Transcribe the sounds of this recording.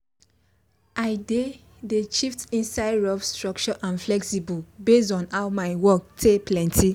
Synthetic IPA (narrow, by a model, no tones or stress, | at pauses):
aɪde | deʃiftĩnsaɪɾɔfstɹɔk̚t͡ʃɔʔãnflɛksibɔlbes̬ɔ̃nhawmaɪwɔk̚tʰeplɛ̃ntʰi